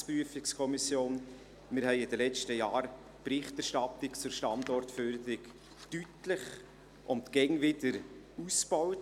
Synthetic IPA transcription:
spɾyəfɪkskʰɔmisjoːn | mɪɾhɛɪɪdəlɛt͡ʃtəjɑːɾ | pɾɪχtɛɾʃtɑtɪkt͡sʊɾʃtɑndɔrtføɾd̪əɾɪk | tytlɪχ | ʔʊmtɡ̥ɛŋvɪdəɾ | usb̥ɔwt

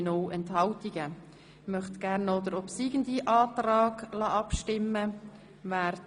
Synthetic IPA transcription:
noːʔɛnthɑltiɡ̥ə | mœχt̪ɡ̥æɾnɔd̥̪əɾɔpsiːɡəndiʔɑːtrɑːɡ̥lɑːʔɑpʃtɪmːə | væːɾ

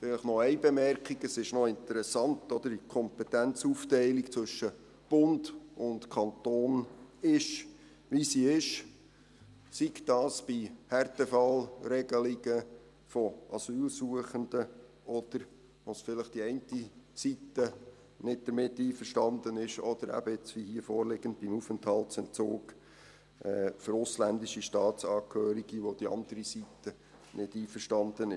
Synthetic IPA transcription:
fɪləχnɔɛɪbɛmɛɾkχiɡəsɪʃnɔɪnt̪əɾɛsɑntːɔd̥̪əɾikʰɔmpɛt̪ænt͡suːftɛɪlikt͡sʋɵʃːə | b̥ʊndʊntkʰɑnt̪oːnɪʃ | ʋisiɪʃ | sikd̥ɑːsb̥ihɛrtɛfɑlɾɛɡ̥əliɡ̥ə | fɔʔɑsyːlsuəχənd̥̪ə | ʔɔd̪̥əɾ | ʋosfɪləχd̥iɛɪntisitːə | nɪd̚d̪̥əɾmɪtːiːfəɾʃtɑnd̪ənɪʃɔd̥̪əɾæ̰bəɪt͡sʋihiːfoːɾlɪɡən̩d̚b̥imufəntʰhɑlt͡sɛnt͡soːk | ɛːføɾʊslændiʃiʃtɑːt͡sɑːkʰhøːɾiɡ̥iʋod̥iɑ̰nd̪əɾisit̪ə | nʔɪdiːfəʃtɑnd̪ənɪʃ

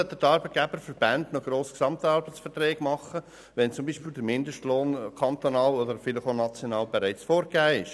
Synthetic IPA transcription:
œt̪ːədɑɾbət̪̚ɡ̥ɛbəɾfəɾb̥ændnoɡ̥ɾoːsksɑmt̪ɑɾbət͡sfəɾt̪rɛːɡmɑχːə | ʋɛnt͡sʊmbiːʃpiːld̪əmɪnd̪əʃtloːnkʰɑnt̪onɑːlɔd̪əɾfɪlɪχonɑt͡sjonɑːlbɛɾæɪt͡sfoːɾɡæːɪʃ

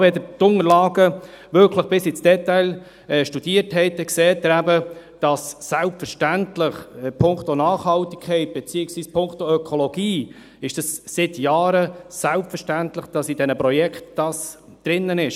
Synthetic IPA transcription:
ʋɛd̪ət̪ʊŋəɾlɑːɡə | ʋʏɾkʰləχb̥ɪsɪt͡sd̥ɛt̪ːaɪl | ɛʃtud̥iəɾthɛɪt̪əkseːt̚ːəɾæbəd̥ɑsːælpfəɾʃtæntlɪχpʰʊŋktonɑːχhɑlt̪i̥kʰχɛɪt̚b̥ɛt͡siːɪksʋiːspʰʊŋktoœkʰolɔɡiː | ɪʃd̥ɑssɪt̪jɑːɾəsælpfəʃtæntlɪχd̥ɑsidɛnəpɾɔjɛkχtd̥ɑs | d̥ɾɪnːənɪʃ

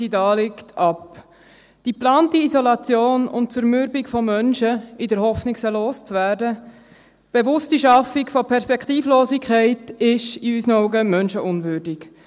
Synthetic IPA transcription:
idɑːlɪktʰɑp | d̥iplɑːntiizɔlɑt͡sjoːnʊ̰nt̚t͡sʊɾmʏɾbɪkfɔmœnʃəɪdəɾhɔfnɪksəloːst͡svæːɾdə | b̥evʊstiʃɑfikfɔpʰɛɾspɛkʰtiːfloːsɪkʰχɛɪtɪʃiysənɔʊɡəmœnʃəʔʊnvʏɾdɪk

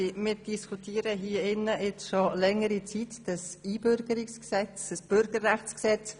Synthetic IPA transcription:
mɪːɾd̥iskʰutʰiːəɾəɦiːəɪnːəɪt͡sʃolɛŋəɾit͡sit̪d̥əsiːb̥ʏɾɡ̥əɾiksksɛt͡sd̥əsb̥ʏɾɡ̥əɾːæχt͡sksɛt͡s

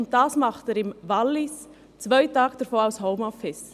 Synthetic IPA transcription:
ʊnt̚d̥ɑːsmɑχtɛɾɪmvɑlːɪs | t͡svœɪtɑːɡd̥əɾfoːaʊshoʊmɔfɪs

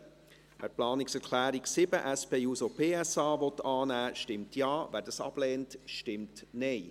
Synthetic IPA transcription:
ʋæ̰ːɾplɑːnɪksɛɾkʰlæːɾiksɪbəʔæspeːuːsopʰeːɛsɑːvɔtːɑːnæːʃtɪmtjɑːvæːdɑsɑ̰b̥lɛːntʃtɪmtnɛɪ

